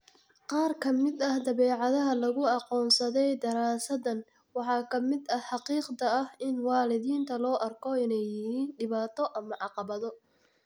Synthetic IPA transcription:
qɑːrkʰɐmɪd̪ɐhd̪ɐβɛːʕɑðɐɦɐlɐɣʊɑqɔːnsɐðɛjd̪ɐɾaːsɐðɐn | wɑħɑːkʰɐmɪd̪ɐħɑqiːqd̪ɐɐhɪnwɑːlɪðiːnt̪ʰɐlɔːʔɐrkʰɔɪnɛjɪhiːnɖɪβaːt̪ʰɔʔɐmɐʕɑqɑβɐðɔ

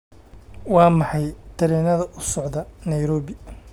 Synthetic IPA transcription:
wɑːmɑħɑjt̪ʰɐɾɛːnɐðɐʔʊsɔʕðɐnɐjɾɔːβɪ

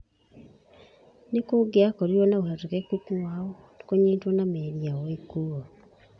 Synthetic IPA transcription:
nekoɡeakoɾiɔnaoɦɛɾokɛkukuwaɔ | koɲeːtwɔnameɾiawɔekuɔ

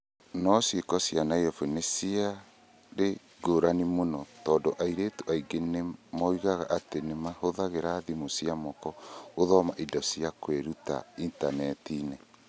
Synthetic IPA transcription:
nɔsjekɔsjanaiɔfenesia | ɾe | ɡoɾanimonɔtɔːdoʔaiɾetuʔaiɡenemɔiɣaɣaʔatenemahoðaɣeɾaðimosiamɔkɔoðɔmaʔidɔsiakweɾuta̰intanɛtinɛ

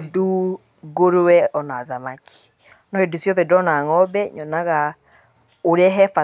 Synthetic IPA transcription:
du | ɣoɾowɛɔnaaðamaki̥ | nɔhedusjɔðɛdɔnaŋɔbɛɲɔnaɣa | oɾeɛɦɛfa

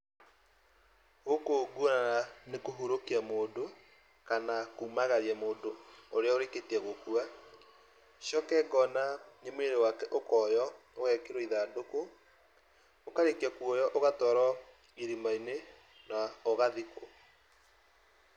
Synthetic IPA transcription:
ɣokoɡuonananekoɦoɾokiamoːndo | kanakuːmaɣaɾiɛmoːndooɾeaoɾeketiɛɣokua | ʃjɔkɛɡɔnaɲemoeɾewakɛʔokɔːjɔ | oɣɛkeɾwɛiðaːdoko | okaɾekiɛkɔjɔʔoɣatɔːɾɔ | iɾimaine | naɔɣaðiko

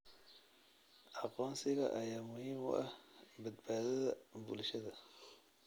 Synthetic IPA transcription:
ʕɑqɔːnsɪɣɐ̰ʔɐjaːmʊhɪmʊ̰ʔɐhbɐd̪baːðɐðɐbʊ̰lʃɐðɐ

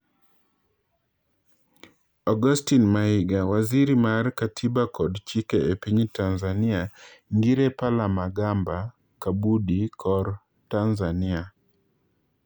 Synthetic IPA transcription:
ɔɡɔstinmaiɡawaziɾimaɾkatʰibakɔdt͡ʃikɛepiɲitanzaniaŋɡiɾɛpalamaɡamba | kabudikʰɔɾ | tanzania

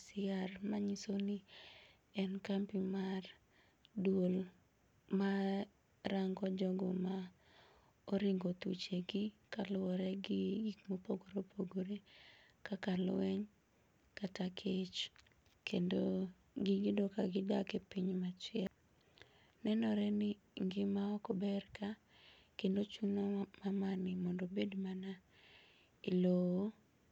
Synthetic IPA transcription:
sɪarmaɲisoni | ɛnkampimar | dwol | ma | ɾaŋɡɔd͡ʒɔɡɔma | oɾiŋɡot̪ṵt͡ʃeɡikalwɔɾɛɡɪɡikmopoɡoɾopʰoɡoɾe | kakalwɛɲ | katakʰet͡ʃ | kʰendo | ɡɪɡɪdɔkaɡɪdakepiɲmat͡ʃɪɛl | nɛnɔɾɛnɪ | ŋɡɪmaɔkɔbɛrka | kendot͡ʃunɔmamanɪmɔndobedmana | ilowo

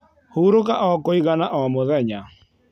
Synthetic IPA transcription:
houɾokaʔɔkoiɣanaʔɔmoðɛɲa

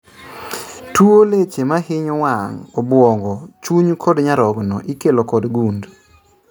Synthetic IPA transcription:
tuolet͡ʃemaɦɪɲɔwaŋɔbwɔŋɡɔt͡ʃuɲkʰɔdɲaɾɔɡnɔ̰ʔikelokɔdɡund

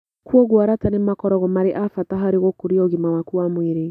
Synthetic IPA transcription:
kuɔɣwaɾatanemakɔɾɔɣɔmaɾeʔafataɦaɾeɣokuɾiɔɣimawakuamweɾe

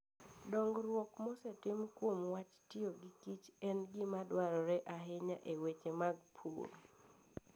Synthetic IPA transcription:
dɔŋɡɾwɔkmɔsɛtɪmkwomwat͡ʃtɪoɡɪkit͡ʃɛnɡɪmadwaɾɔɾɛʔaɦeɲaʔewet͡ʃemaɡpʰṵɾ

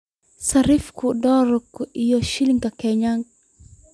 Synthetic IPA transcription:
saɾifkudɔɾɔkɪjɔʃiliŋkakɛɲaŋɡ

